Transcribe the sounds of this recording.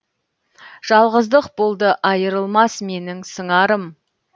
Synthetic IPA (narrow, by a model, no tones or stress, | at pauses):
ʒ̥ɑlˠʁəzd̪əqbolˠd̪əʔɑjəɾəlˠmɑsme̞nɪŋsəɴɑɾəm